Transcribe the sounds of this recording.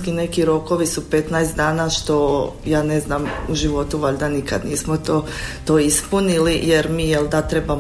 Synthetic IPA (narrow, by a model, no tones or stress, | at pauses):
kine̞kiɾo̞ko̞ʋisupe̞t̪naest̪d̪aːnaʃt̪o̞jaːne̞znaːmuʒiʋo̞t̪uʋaʎd̪anikad̪niːsmot̪oː | t̪oːispunilijeɾmiːjelˠd̪at̪ɾe̞ba